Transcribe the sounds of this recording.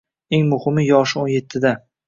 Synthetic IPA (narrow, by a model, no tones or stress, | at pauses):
e̞ŋmʊhɪmɪjɒʃɪonje̞t̪ʰːɪd̪a